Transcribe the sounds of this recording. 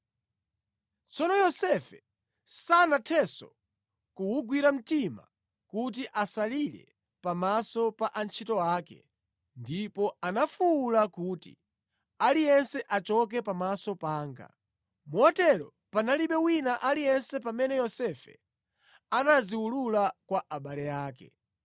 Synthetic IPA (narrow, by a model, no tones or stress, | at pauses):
t͡sɔnɔjɔsɛfɛ | sanatʰɛsɔ̰ | kuwuɡwiɾam̩tima̰ | kut̬iʔasaliɾɛ̰ | pamasɔpaʔant͡ʃʰitɔaːkɛ̰ | ndipɔanafuwulakuːtḭ | alijɛnsɛʔat͡ʃɔk̬ɛpamasɔpaːŋɡa̰ | muɔtɛɾɔ | panaliɓɛwinaʔalijɛnsɛpamɛnɛjɔsɛfɛ | anaziwululakwaʔaɓalɛjaːkɛ̰